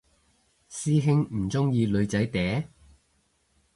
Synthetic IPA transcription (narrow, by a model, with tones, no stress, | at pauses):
siː˥ɦɪ˥ŋm̩˨˩t͡sʊ˥ŋjiː˧lɵ˨˧ɥt͡sɐ˨˥jt̪ɛː˨˥